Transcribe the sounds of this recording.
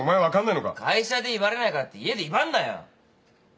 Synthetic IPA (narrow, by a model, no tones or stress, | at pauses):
omaeʋakãnd̪ainoka̰kʰajɕad̪eibaɾenajkaɾt̪ied̪eiband̪aja̰